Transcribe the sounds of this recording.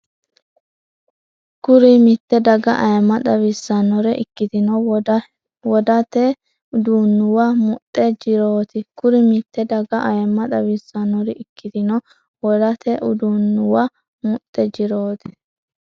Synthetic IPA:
kʊɾɪmɪt̪ːɛd̪ɐɡɐʔɐjɛmːɐd̪ɐwisːɐnɔɾɛʔɪ̰kːɪt̪ɪnɔ | wɔd̪ɐt̪ɛ | ʊd̪unːʊwɐmʊt̪ʼːɛd͡ʒɪɾoːt̪ɪkʊɾɪmɪt̪ːɛd̪ɐɡɐʔɐjɛmːɐᶑ̪ɐwisːɐnɔɾɪɪkːɪt̪ɪnɔ | wɔd̪ɐt̪ɛʔʊd̪unːʊwɐ | mʊt̪ʼːɛd͡ʒɪɾoːt̪ɪ̥

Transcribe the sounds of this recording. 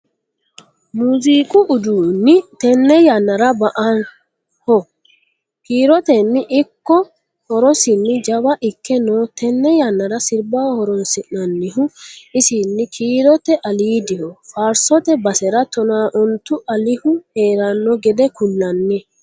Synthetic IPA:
muːziːkʼʊʔʊd̪uːnːɪt̪ɛnːɛjɐnːɐɾɐbɐʔɐn | hɔ | kiːɾɔt̪ɛnːɪʔɪkːɔ | hɔɾɔsɪnːɪd͡ʒɐbɐʔɪkːɛnoːt̪ɛnːɛjɐnːɐɾɐsɪɾbaːhɔɾɔnsɪnɐnːɪɦʊɪsɪnːɪkʰiːɾɔt̪ɛʔɐliːd̪ɪhɔfaːɾsɔt̪ɛbɐsɛɾɐt̪ɔnaːʔʊnt̪ʊʔɐlɪhʊheːɾɐnːɔɡɛd̪ɛkʊlːɐnːɛ

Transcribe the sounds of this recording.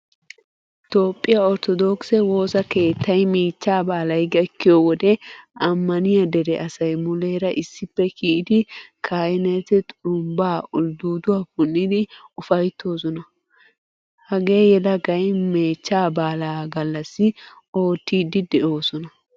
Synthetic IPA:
t̪o̞ːpʼːɪjaɔɾt̪ɔd̪oksɛwo̞ːsɐke̞ːt̪ːɐjmeːt͡ʃːaːbaːlɐjɡɐkːɪjowɔd̪ɛɐmːɐnɪjɐd̪ɛɾɛʔɐsɐjmʊleːɾɐʔɪsːɪpːɛkʰiʔɪd̪ɪkʰaːjɪnɛt̪ɛt̪ʼʊmbaːʊld̪uːd̪ʊwapʊnːɪd̪ɪʊfɐjt̪ʰːo̞ːsɔnɐ | hɐɡe̞ːjɛlɐɡɐjmeːt͡ʃːaːbaːlaːɡɐlːɐsːɪ | o̞ːt̪ːiːd̪ɪd̪ɛʔo̞ːsɔnɐ

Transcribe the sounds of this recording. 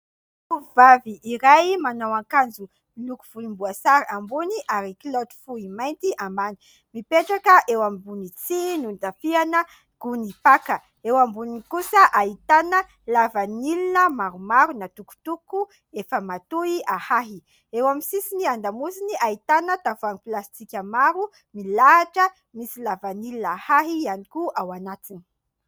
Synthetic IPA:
uvaviʔːɾajmanawaŋkand͡zu | lukuv̥ulimbuasaɾambuniʔaɾikilod̪fuimajnt̪iʔamani̥ | mipeʈ͡ʂakəʔewamibunit͡sinund̪afianə | ɡ̥unipakə | ewambunikusəʔait̪anə | lavanilinəmaɾumaɾunat̪uku̥t̪uku | efəmat̪uiahaɦi | ewamisisiniand̪amusiniʔait̪anət̪avuaŋiplast͡sikʲamaɾu | milaʈ͡ʂə | misilavanilinahaɦiianikuʔawanat̪ini̥

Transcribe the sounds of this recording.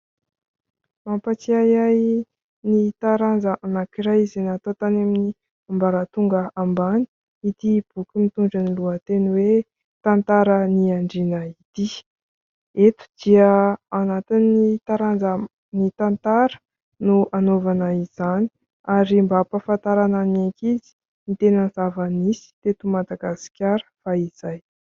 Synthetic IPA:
mampat͡siajaj | nit̪aɾanzəʔanakiɾajizenat̪ot̪anamini | ambaɾat̪uŋɡəambani̥ | it̪ib̥ukʲimit̪uɳɖ͡ʐaniluət̪eniwe | t̪ant̪aɾəniaɳɖ͡ʐinəit̪i | et̪u̥d̪̥iəanat̪inːit̪aɾand͡zə | nit̪ant̪aɾə̥ | nuanovanəiz̥ani̥ | aɾimbapafant̪aɾananaŋkizi̥ | nit̪enənzavanisi̥t̪et̪umad̪aɡasi̥kʲaɾə̥faiz̥aj

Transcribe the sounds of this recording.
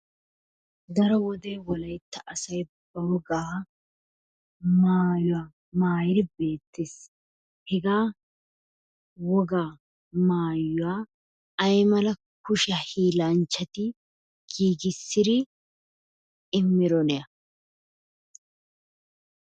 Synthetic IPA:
d̪ɐɾɔwɔd̪e̞ːwɔlɐjt̪ːɐʔɐsɐjbɐwɔɡaː | maːjʊaː | maːjɪɾɪbe̞ːt̪ːeːs | hɛɡaː | wɔɡaː | maːjːʊwaː | ɐjmɐlɐ | kʊʃɐhiːlaːnt͡ʃːɐt̪ɪ | ɡ̥iːɡɪsːɪɾɪ | ɪmːɪɾɔnɛɐ

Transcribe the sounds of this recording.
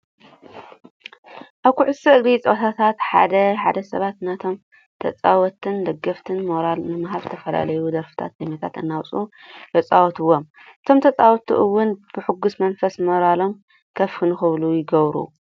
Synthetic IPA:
ʔaβkʰuʕʊsɨʔɨɡɾit͡sʼot̪ʰat̪ʰat̪ħa̰d̪ɐħa̰d̪ɐsɐβat̪nɐt̪ʰo̞m | t̪ʰɐ̰t͡sʼawɔt̪ʰɨnd̪ɐɡɐft̪ʰɨnmoɾalnɨmaɦaβt̪ʰɐfɐla̰lɐjud̪ɐɾfɨ̥t̪ʰa̰t̪̚demɐt̪ʰa̰t̪ɨnːawt͡sʼut̪ʰɐt͡sʼawɔt̪ʰɨwːom | ʔɨt̪ʰomt̪ʰɐt͡sʼawɔt̪ʰḭʔɨwːʊnb̥ɨħɨɡːusmɐnfɐsmoɾalo̞m | kʰɐfhɨnxɨβlujɪɡɐβɾṵ

